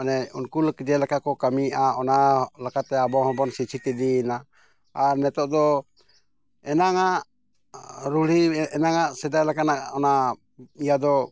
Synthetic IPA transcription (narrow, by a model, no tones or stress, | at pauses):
anɛunkulkəd͡ʒɛlakakɔkamiʔaɔnalakat̪ɛabɔhɔ̃bɔnsit͡ʃʰit̪ɛd̪ina | aɾnɛt̪ɔʔd̪ɔ | ɛnaŋaʔ | ɾuliɛnaŋaʔsɛd̪ajlakanaʔɔna | ijad̪ɔ